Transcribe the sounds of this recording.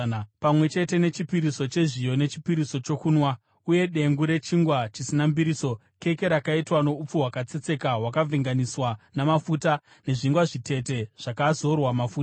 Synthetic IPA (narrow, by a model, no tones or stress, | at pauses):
pamwe̞t͡ʃe̞te̞ne̞t͡ʃipiɾiso̞t͡ʃe̞ʐijo̞ne̞t͡ʃi̥piɾiso̞t͡ʃo̞kuːnwa | uje̞ɗe̞ŋɡuɾe̞t͡ʃiŋɡwat͡ʃisinambiɾiso̞ | ke̞ke̞ɾakaitwano̞up͡fuɦwakat͡se̞t͡se̞kawakavʱiŋɡaniswanamafuta | ne̞ʐiŋɡwaʐite̞te̞ʐ̥akazo̞rwamafuːta